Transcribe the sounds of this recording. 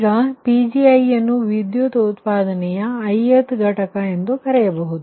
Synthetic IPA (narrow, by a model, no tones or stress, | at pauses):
ɡɐpid͡ʒiɐjɐnːuʋid̪jut̪ɐut̪paːd̪ɐnɛjɐːjet̪ɡʱɐʈɐkɐend̪ukɐɾɛjɐbɐɦud̪u